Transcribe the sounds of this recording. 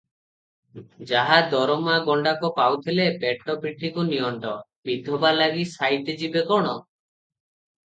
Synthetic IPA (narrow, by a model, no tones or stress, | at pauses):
d͡ʒaɦad̪ɔɾɔmaɡɔɳɖakɔpawt̪ʰilepeʈɔpiʈʰikuniɔɳʈɔbid̪ʱɔbalaɡisajt̪ed͡ʒibekɔɽ̃ɔ